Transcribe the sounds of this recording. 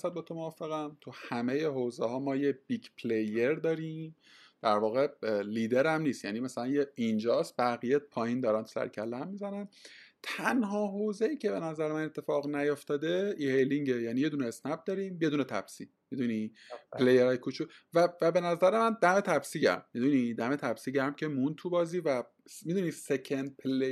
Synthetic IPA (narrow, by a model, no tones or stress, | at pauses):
sæd̪̚bet̪ʰomovɒfeɣænt̪ʰuhæme̞jeɦoːzehɒːmɒːjeb̥iɡpʰlejeɾd̪ɒːɾiːm | d̪̥æɾvɒːɣe̞liːd̪e̞ɾæmnist̪jæ̰nimæsælænjeind͡ʒɒːst̪̚bæɣijepʰɒːjind̪ɒːɾænt̪sæ̰ɾcʰælːæmːizænænt̪ʰænɦɒːɦoːzejiːcʰe̞be̞næzæɾemæne̞t̪ʰːe̞fɒːɣnæjoft̪ɒːd̪eihejliŋɟejæːnije̞d̪uːneːsnæb̚d̪ɒːɾiːmje̞d̪uːnet̪ʰæ̰b̥sḭ | mid̪uni | pelejeɾɒːjkʰut͡ʃʰuvævæbe̞næzæɾe̞mænd̪æme̞t̪ʰæbsiɟæ̰ɾmːid̪unid̪æme̞t̪ʰæbsiːɟæɾmcʲʰe̞mund̪̚t̪ʰubɒːziːvæ | mid̪uniːsecʰend̪̚pʰele